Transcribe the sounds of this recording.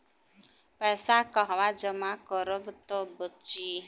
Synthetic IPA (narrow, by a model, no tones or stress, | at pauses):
paɛsakɔɦwad͡ʒəmakɔɾobət̪obət͡ʃi